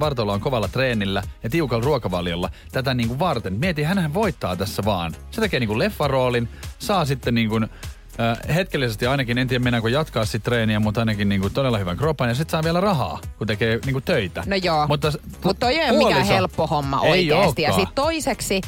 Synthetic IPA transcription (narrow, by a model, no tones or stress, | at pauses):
ʋɑrt̪olːɑoŋkoʋɑlːɑt̪reːnilːæjɑt̪iukɑlruɑkɑʋɑljolːɑ̰t̪æt̪æniːŋkuʋʋɑrt̪enmiet̪ihænhæʋoit̪ːɑːt̪æsːæʋɑːnset̪ekeːniːŋkulefːɑroːlinsɑːsit̪ːenniːŋkunː | het̪kelːisest̪iɑinɑkinent̪ijæmenɑkojɑt̪kɑːssit̪t̪reːniæmut̪ɑinɑkinniːŋkut̪odelːɑhyʋæŋkropɑnjɑsit̪sɑːʋiælærɑhɑ̰ːkut̪ekeːniːŋkutt̪øit̪ænojoːmut̪ːɑsmut̪t̪ːojoioklːiselpːohomːɑ̰ʔoiiosːkt̪iɑɑːitt̪oiseksi